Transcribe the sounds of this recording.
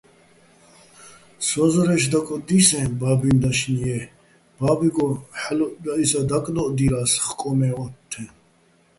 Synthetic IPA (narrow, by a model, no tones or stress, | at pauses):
sɔzɔɾɛʃd̪akʼɔd̪isɛnbabind̪aʃniɛ | b̥abiɡɔħlɔd̪aisad̪akʼlɔʔd̪iɾasχkʼɔmɛɔt̪ʰːɛ